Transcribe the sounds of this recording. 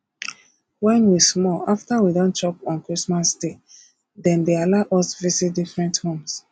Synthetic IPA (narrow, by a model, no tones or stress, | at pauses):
wɛ̃nwismɔlaftawidɔ̃nt͡ʃɔpãnkɹismasde | dɛ̃ndealaʊʔɔsvisit̚difɹɛ̃nthõms